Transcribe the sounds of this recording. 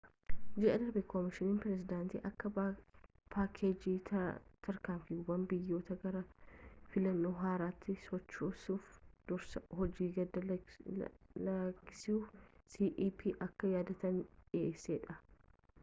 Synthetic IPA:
d͡ʒɛʔɛd̪ɐɾbɛkʰɔmɪʃɪniːnpɾɛs̬ɪd̪aːnt̪ḭːʔɐkːɐ | pʰaːkʰːeːd͡ʒiːɐt̪ʰɐɾkaːɱfɪʊbɐmbɪjːo̞ːt̪ɐɡɐɾɐfɪlɐnːoːɦaːɾaːt̪ːɪsɔt͡ʃːoːsuːfd̪̥ɔɾsɐhɔd͡ʒiːɡɐd̪ɐ | lɐɡɪ̥suːfsiːʔiːpʰiːʔɐkːɐjaːd̪ɐt̪ɐneːseːᶑɐ

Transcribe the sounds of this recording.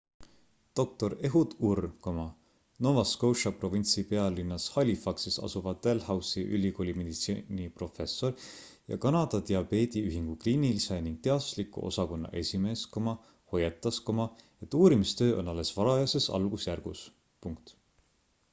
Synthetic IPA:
t̪o̞k̚t̪o̞ɾe̞ɦud̪urkomɑ | no̞vɑskowʃɑpro̞vint̪sipe̞ɑlinːɑshɑlʲifɑksisɑ̰suvɑd̪̥elhɑwsiʔylʲːiko̞lʲime̞d̪̥it̪sinipro̞fe̞sːo̞ɾ | jɑ̰kɑnɑd̪̥ɑt̪eɑbe̞ːd̪iyɦiŋɡ̥uklinːiliseniŋɡ̥̚t̪e̞ɑt̪slikːˑṵʔo̞̰sɑko̞nːɑ̰ʔe̞sʲime̞ːskomɑ | ho̞jet̪ːˑɑskomɑ | e̞t̪ːˑuːɾimist̪ø̞ːʔo̞nːɑlːe̞svɑɾɑjɑse̞sɑ̰lɡ̥usjærɡ̥ṵs | puŋk̚t̪

